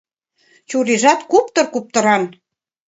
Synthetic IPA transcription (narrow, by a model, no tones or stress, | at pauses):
t͡ɕuɾeʒɑt̪kupt̪ɤ̆rkup̚t̪ə̆ɾɑn